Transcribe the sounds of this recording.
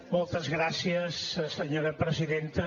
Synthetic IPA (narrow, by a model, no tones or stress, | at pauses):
mɔlˠt̪əzɣɾasiəssəɲoɾəpɾəziðent̪ə